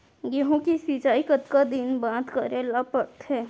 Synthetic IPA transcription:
jeɦõkisit͡ʃaːikɐt̪kad̪ɪnbaːt̪kɐɾeːlapəɽt̪ɦɛː

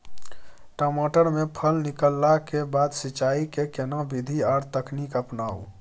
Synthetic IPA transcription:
ʈəmoʈəɾmepʰəlnikəlːakebad̪sit͡ʃaikekenabid̪ʱiaɾt̪əknikəpnaṵ

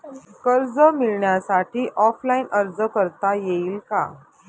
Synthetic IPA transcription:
kəɾd͡zəmiɭɳjasaʈʰiːʔɔflainʔəɾd͡zəkəɾt̪ajeiːlka̰

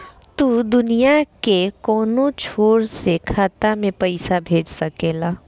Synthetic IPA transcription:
t̪ud̪ʊnijakekɔːnõt͡ʃʰoːɾsekʰaːt̪amẽpɐɪsabʱeːd͡ʒsɐkeːlaː

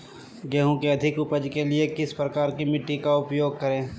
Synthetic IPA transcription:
ɡɛːɦõkeɐd̪ʱɪkʊpəd͡ʒkelɪekɪspɾɐkaːɾkimɪʈːikaʊpjoːɡ̚kɐɾẽː

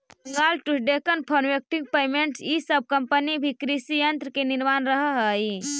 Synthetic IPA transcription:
bəŋɡalʈusɖekənpʰənʋek̚ʈĩŋɡ̚peːmeɳʈsisəb̚ʱkəmpənibʱikɾisijənt̪ɾəkeniɾmanɾəɦəɦəi

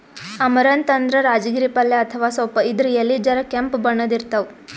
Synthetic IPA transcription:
ɐmɐɾɐnt̪ɐnd̪ɾɐɾaːd͡ʒɡiɾipɐlːeɐt̪ʰɐʋaːsoːpɐid̪ɾujelːid͡ʒɐɾɐkempbɐɳːɐd̪iɾt̪ɐʋ

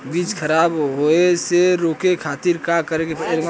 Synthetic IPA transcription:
biːd͡ʒkʰəɾaːbɦoeseɾoːkekʰaːt̪iɾkakəɾekepːɾŋɡ

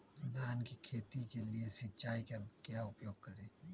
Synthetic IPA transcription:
d̪aːnkikʰeːt̪ikeliesɪtːt͡ʃaːikakjaʊpjoːɡ̚kɐɾẽː

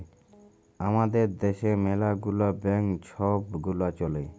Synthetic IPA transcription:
amad̪eɾd̪eʃemɛlaɡulabɛŋt͡ʃʰɔb̚ɡulat͡ʃɔlej

